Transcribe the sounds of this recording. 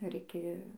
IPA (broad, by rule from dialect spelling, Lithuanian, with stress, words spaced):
ɪr ˈɪkʲɪ